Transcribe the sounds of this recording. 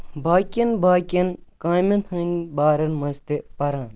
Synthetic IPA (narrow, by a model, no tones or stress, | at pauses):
baːkʲɐnbaːkʲɐnkaːmɐnhɐnʲbaːɾɐnmɐst̪epɐɾaːn